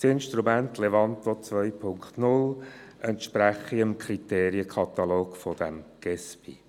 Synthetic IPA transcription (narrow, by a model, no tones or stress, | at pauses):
sɪnʃt̪ɾumænt̪levɑnt̪ot͡svœʏpʰʊŋkt̪nʊlʔɛntʃpɾæχiəmkʰrit̪eːɾiəkʰɑt̪ɑloːkfod̥ɛmɡ̥ɛspi